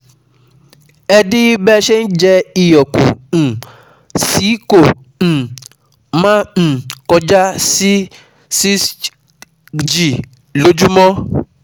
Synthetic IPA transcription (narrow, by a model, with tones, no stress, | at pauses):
ɛ˦di˦bɛ˦ʃɛ˦n̩˦d͡ʒɛ˧i˨jɔ˨kṵ̃˨ | si˨˦kõ˨ | mã˦˨kɔ˧d͡ʒa˦si˦ | si˦ | d͡ʒi˨ | lo˨˦d͡ʒu˦mɔ̃˦